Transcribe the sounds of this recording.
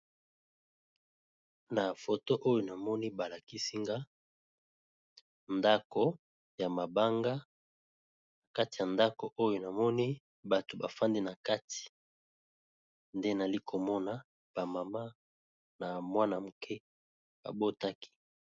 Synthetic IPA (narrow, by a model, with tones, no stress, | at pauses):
na˨fo˨to˦ʔo˦jo˨na˨mɔ˦ni˦ba˨la˨ki˦si˦ŋɡa˦ | nda˦ko˨ | ja˨ma˨ba˦ŋɡa˦ | na˨ka˦ti˨ja˨nda˦ko˨ʔo˦jo˨na˨mɔ˦ni˦ | ba˨to˨ba˨fa˦ndi˦na˨ka˦tʰi̥˨ | nde˦na˨li˦kʰo˨mɔ˦na˨ | b̥a˨ma˨ma˦ | na˨mwa˦na˨mu˨kʰɛ˦ | b̥a̰˨bo˦ta˦ki̥˦